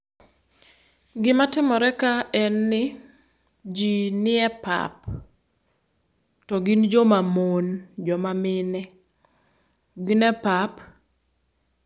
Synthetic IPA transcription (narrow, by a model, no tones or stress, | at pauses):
ɡɪmatɪmɔɾɛkaɛnːɪ | d͡ʒinɪɛpa̰p | tɔɡind͡ʒɔmamond͡ʒɔmamɪnɛ | ɡinɛpap